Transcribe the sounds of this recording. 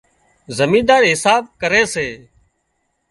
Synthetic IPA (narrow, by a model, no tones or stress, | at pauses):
zəmiːd̪aːɾɦɪsaːb̚kəɾeːseː